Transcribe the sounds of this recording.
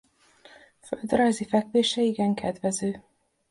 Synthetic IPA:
fø̰ld̪rajzifɛkʋeːʃɛiɡɛŋkʰɛd̪vɛzøː

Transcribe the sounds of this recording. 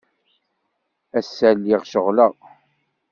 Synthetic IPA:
æsːælːiʁʃəʁləʁ

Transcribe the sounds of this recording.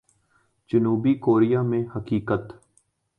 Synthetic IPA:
d͡ʒənuːbikoːɾijamẽhəkiːkət̪

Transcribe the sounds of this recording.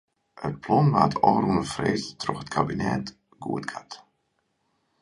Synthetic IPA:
ət̚pʰlɔnʋaːtɔːrunəfreːstrɔxətkʰabinɛ̰t | ɡṵətɡʰat

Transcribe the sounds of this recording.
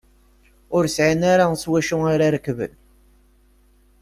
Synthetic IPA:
ʊɾsʕanaɾaswæʃʊaɾaɾəkːvə̰l

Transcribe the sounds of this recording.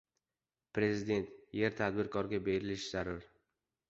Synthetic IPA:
pɾe̞zɪd̪e̞nt̪je̞ɾt̪ʰad̪bɪɾkʰɒɾɡʲabe̞ɾɪlɪʃz̥aɾaɾ

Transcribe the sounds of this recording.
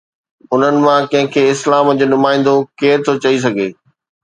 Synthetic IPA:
ʊn̤ənɪ̆mãkɐ̃ɦɪ̃kʰeːɪslaːmd͡ʑoːnʊmaːɪ̃n̆d̪okeːɾt̪ʰot͡ɕɐis̬ɐɡʱḛː

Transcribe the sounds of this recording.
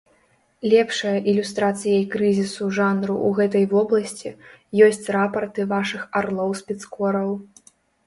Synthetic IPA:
lʲɛpʂɐjɐʔilʲust̪ɾat̪sɨjɐjkɾɨzʲisuʐanɾuʔuɣɛt̪ɐjvɔblˠɐsʲt͡sʲijɔsʲt͡sʲrapɐrt̪ɨvaʂɨxarlˠɔwspʲɛt̪skɔɾɐw

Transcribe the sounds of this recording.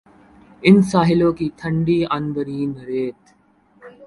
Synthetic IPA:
ɪnsaːɦɪlõːkit̪ʰə̃ɳɖiənbəɾiːnɾeːt̪

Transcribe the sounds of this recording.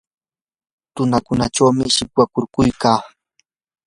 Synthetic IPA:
t̪ʊnakʊnaʈ͡ʂawmɪʃɪpwakʊɾkʊjkaː

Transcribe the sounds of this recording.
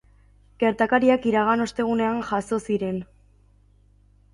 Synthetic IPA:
ɡ̥e̞ɾt̪akaɾiakiɾaɣ̞ano̞st̪e̞ɣune̞anʝaso̞siɾe̞n

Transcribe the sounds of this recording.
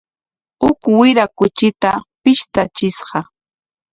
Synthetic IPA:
ʊkwɪɾakʊt͡ʃɪt̪apɪʃt̪at͡ʃɪsɢɑ

